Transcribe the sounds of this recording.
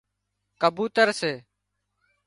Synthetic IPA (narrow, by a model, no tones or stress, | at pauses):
kəbuːt̪əɾseː